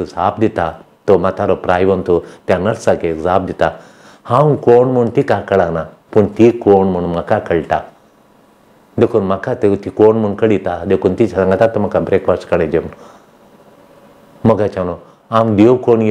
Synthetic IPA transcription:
t̪usaːpd̪it̪a | t̪omɐt̪aɾopɾaːjʋɐnt̪ut̪janɐɾsakeɡzaːp̚d̪it̪a | hãːwkoːɳmunt̪ikaːkɐɽaːna | puɳt̪ikoːɳmunmɐkakɐɭʈa | d̪ekunmɐkat̪it̪ikoːɳmunkɐɽit̪ad̪ekunt̪it͡ʃʰɐaŋɡat̪at̪omɐkabɾeːkʋasʈkɐɽed͡ʒen | mɐɡat͡ʃano | aːmd̪iwkoːnj

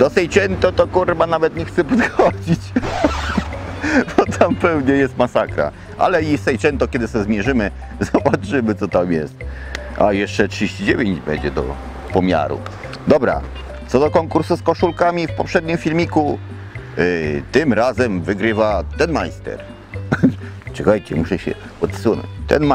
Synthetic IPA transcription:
d̪̥ɔsɛjt͡ʂɛnt̪ɔt̪ɔkurbanavɛt̪ɲɛxt̪sɛpɔd̪xɔd͡ʑit͡ɕ | bɔt̪ʰampɛwɲɛjɛst̪masakɾa̰ | ʔa̰lɛisɛjt͡ʂɛnt̪ɔkʲjɛd̪ɘsɛzmʲjɛʐɘmɘ | zɔbat͡ʂɘmɘt̪sɔt̪amjɛ̰st̪ | a̰jɛʂt͡ʂɛtʂɨd͡ʑʲeɕt͡ɕid͡ʑevʲjeɲd͡ʑbɛ̰ɲd͡ʑɛd̪ɔ̰ | pɔmʲja̰ɾṵ | d̪ɔbɾa̰ | t̪sɔd̪ɔkɔŋkuɾsuskɔʂulkamʲifpɔpʂɛd̪ɲimfʲilmʲiku | t̪ɘmɾazɛmvɘɡɾɘvat̪ɛnmajst̪ɛ̰ɾ | t͡ʂɨɡajt͡ɕɛmuʂɛɕɛ̰ | pɔt̪sunɔ̰t͡ɕt̪ɛ̰nm

